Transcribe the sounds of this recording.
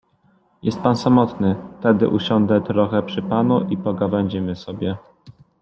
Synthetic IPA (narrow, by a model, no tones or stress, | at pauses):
jɛst̪̚pansamɔt̪nɘft̪ɛd̪ɘ̰ʔuɕɔnd̪ɛt̪ɾɔxɛpʂɘpanuʔipɔɡavɛɲd͡ʑɛmɘsɔbʲjɛ